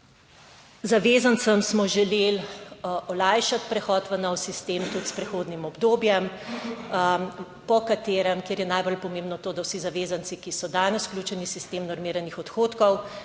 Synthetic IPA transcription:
zaʋeːzant̪səmsmɔʒɛlel | ɔlajʃat̪pɾɛxɔːt̪ʋɐnɔwsist̪eːmt̪ut̪spɾɛxoːd̪nimɔbd̪oːbjɛm | pɔkat̪eːɾɛmkeːɾjɛnajbolpɔmẽːmbnɔt̪oːd̪awsizaʋeːzant̪sikisɔd̪ajnɔsklʲut͡ʃɛnisist̪eːmnɔɾmiːɾanixɔt̪xoːt̪kɔw

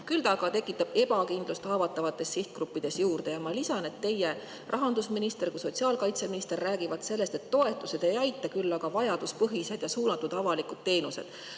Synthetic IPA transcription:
kylt̪ɑɡ̥ɑt̪e̞kːˑit̪ːˑɑb̥e̞bɑkind̪̥lust̪hɑːvɑt̪ːˑɑvɑt̪ːˑe̞sːiht̪̚krupːid̪̥e̞sjuːrd̪̥e̞jɑmɑlisɑne̞t̪ːe̞je | rʔɑɦɑnd̪usminist̪e̞rkuso̞t̪ʲsiɑːlkɑjt̪se̞minist̪e̞rːæːɡivɑd̪se̞lːe̞st̪e̞t̪ːo̞e̞t̪ːˑuse̞d̪̥e̞jɑjt̪ːˑɑkylːɑɡ̥ɑvɑjɑd̪̥uspɤɦise̞d̪̥jɑsuːnɑt̪ːˑud̪̥ɑvɑlikˑud̪̥̚t̪e̞ːnuse̞̰d̪̥

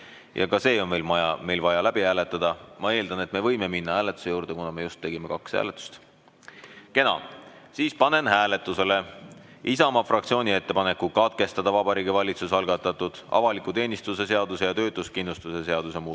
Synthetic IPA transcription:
jɑ̰kɑse̞ːo̞nmejlmɑjɑ̰me̞jlvɑjɑlæb̥iæːle̞t̪ːˑɑd̪ɑmɑe̞ːld̪̥ɑne̞t̪me̞vɤ̞jme̞minːɑhæːlet̪ːˑu̥se̞juːɾd̪̥e̞kunɑme̞just̪ːe̞ɡ̥ime̞kɑkshæ̰ːlet̪ːˑu̥st̪ | ke̞nɑ̰ | siːspɑne̞nɦæːle̞t̪ːˑuse̞le̞ | ʔisɑmɑfrʔɑkt̪sio̞ːnʲie̞t̪ːe̞pɑne̞kːˑukɑt̪̚ke̞st̪ɑd̪̥ɑvɑb̥ɑɾiːɡivɑlʲit̪susɑlɡ̥ɑt̪ːˑɑt̪ud̪̥ɑ̰vɑlikˑut̪e̞ːnʲist̪use̞se̞ɑd̪̥use̞jɑt̪ø̞ːt̪ːˑuskinlust̪use̞se̞ɑd̪̥use̞muː

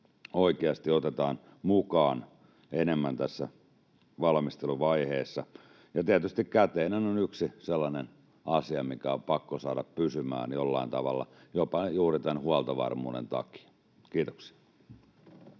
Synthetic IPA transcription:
oikeɑst̪iot̪et̪ɑːn | mukɑːn | enemːænt̪æsːæ | ʋɑlmist̪eluʋɑiheːsːɑ | jɑt̪iæt̪yst̪ikkæt̪eːnænonyksiselːɑnen | ɑsiɑmikæopɑkːosɑːɾɑppysymæ̰ːnjolːɑ̰int̪ɑʋɑ̰lːɑ̰jopɑjuːrit̪ænhuɑlt̪ɑʋɑ̰rmṵːnḛnt̪ɑ̰ki̥ɑ | kiːt̪o̥ksi̥ɑ

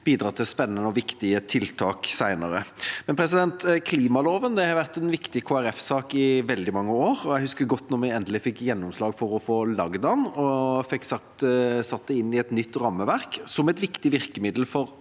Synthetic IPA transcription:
b̥iːd̪ɾɑːt̪ʰɪspɛnːənəɔʋɪkt̪ɪət̪ʰɪlt̪ʰɑːksæɪnəɾəmɛnpʰɾɛsɪd̪ɛnt̪kʰliːmɑloːʋənd̪ɛhɑɾʋæʁt̪ɛnʋɪkt̪ɪkʰoːæɾɛfsɑːkɪʋɛld̪ɪmɑŋːəoːɾɔjɛɡhʉskəɾɡɔt̪ːnɔɾmɛɡɛnd̪əlɪfɪkːjɛnːɔmslɑːɡfɔɾɔfoːlɑɡd̪ɑʊnɔfɛkːsɑkt̪sɑt̪ːəɪnːɪɛt̪nʏt̪ːɾɑmːəʋæʁksɔmɛt̪ʋɪkt̪ɪʋɪʁkəmɪd̪l̩fɔɾ

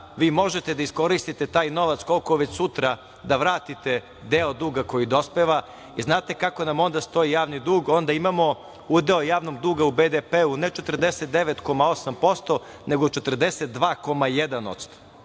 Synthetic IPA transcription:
ʋiːmo̞ʒe̞t̪ed̪aisko̞ɾist̪it̪e̞t̪aːjno̞ʋat̪sko̞lko̞ʋet͡ɕsut̪ɾa | d̪aʋɾaːt̪it̪e | d̪eod̪uːɡako̞jid̪o̞speʋa | iznaːt̪e̞kako̞namo̞nd̪ast̪o̞ijaːʋnid̪uːɡo̞nd̪aimamo̞ | ud̪eojaːʋno̞ɡd̪uːɡaubed̪epeunet͡ʃet̪rd̪e̞set̪̚d̪e̞ʋet̪ko̞mao̞sampo̞st̪o̞ | ne̞ɡot͡ʃet̪r̩d̪e̞set̪̚d̪ʋaːko̞majed̪ano̞̰t̪st̪o̥

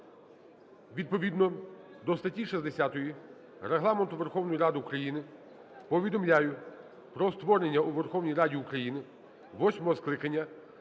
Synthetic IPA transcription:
ʋʲid̪̚pɔʋʲid̪nɔd̪ɔst̪ɐtʲːiʃizd̪esʲat̪ɔji | ɾeɦlˠɑment̪ʊʋerxɔwnɔjiɾɑd̪ɪukɾɐjinɪ | pɔʋʲid̪ɔmlʲajʊ | pɾɔst̪ʋɔɾenʲːɐuʋerxɔwnʲijɾɑdʲiukɾɐjinɪ | ʋɔsʲmɔɦɔsklˠɪkɐnʲːɐ

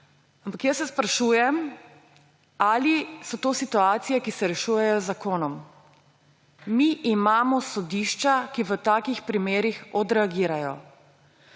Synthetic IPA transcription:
ampakjəsːɛspɾaʃuːjɛm | alisɔt̪oːsit̪uaːt̪sijɛkisɛɾɛʃuːjɛjɔzakoːnɔm | miʔimaːmɔsɔd̪iʃt͡ʃakiʋət̪aːkixpɾimeːɾixɔd̪ɾɛaɡiːɾajɔ̰

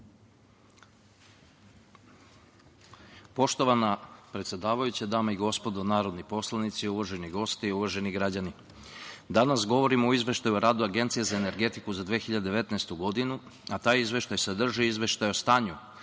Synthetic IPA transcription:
po̞ʃt̪o̞ʋanapɾe̞t̪sʲje̞d̪aːʋajut͡ɕad̪aːmaiɡo̞spo̞d̪onaːɾo̞d̪nipo̞slˠanit̪siuʋaʒeniɡo̞st̪iiuʋaʒe̞niɡɾad͡ʑani | d̪anasɡo̞ʋo̞ɾimooizʋʲe̞ʃt̪ajuoɾaːd̪uaɡe̞nt̪sijezaene̞ɾɡe̞t̪ikuzad̪ʋeːxiʎad̪d̪eʋe̞t̪nast̪uɡo̞d̪inu | at̪aːjizʋe̞ʃt̪ajsed̪r̩ʒiizʋe̞ʃt̪ajo̞st̪aːɲu

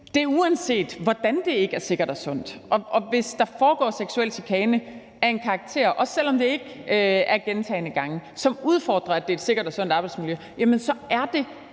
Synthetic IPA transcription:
d̥e̝ɐuænse̝̰ːd̥ʋɒd̥ænd̥e̝e̝ɡ̥æɐse̝ɡ̥ɐɾ̥ɒ̽sɔ̽n̰d̥ʔɒ̽ʔɒ̽ʋe̝sd̥ɑ̈fɒːɡ̥ɒ̰ːseɡ̥suel̰sikʰɛːnə | æɐe̝nkʰɑ̈ːɡ̥̚t͡sʰe̝̰ɐʔɒ̽sel̰ɒ̽md̥e̝e̝ɡ̥øæɐɡ̥ent͡sʰɛ̰ɪnəɡ̥ɑ̈ŋəsɒ̽muð̞ˠfɒːd̥ʁɐæd̥eed̥se̝ɡ̥ɐd̥ɒ̽sɔ̽n̰d̥ɑ̈ːb̥ɑɪdsmiljø | jæmənsɒ̽ʔæɐd̥e̝

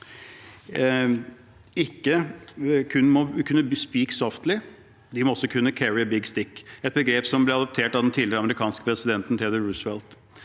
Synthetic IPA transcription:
ɪkːə | kʰʉnmɔkʰʉnːəspiːksɔft̪lɪ | d̪ɪmɔɔsɔkʰʉnːəkʰæɹɪəbɪɡst̪ɪkːɛt̪̚bəɡɾeːpsɔmblɛɑd̪ɔp̚t̪ʰeːʈɑʋd̪ɛnt̪ʰiːlɪɾəɑməɾɪkʰɑːnskə̥pʰɾɛsɪd̪ɛnt̪n̩t̪ʰɛd̪əɹʉsʋɛlt̪

